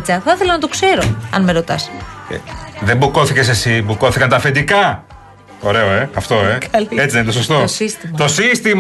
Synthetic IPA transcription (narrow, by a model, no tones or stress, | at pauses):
t͡sɐθɐθelɐnɐt̪o̞kse̞ɾo̞ɐ̰nmeɾo̞t̪ɐsḛðe̞mbuko̞θice̞s̬e̞sibuko̞θikɐnt̪ɐfe̞nd̪ikɐ | o̞ɾe̞oe̞ɐft̪o̞ekɐlie̞t͡siðenit̪osost̪osist̪imt̪o̞sist̪im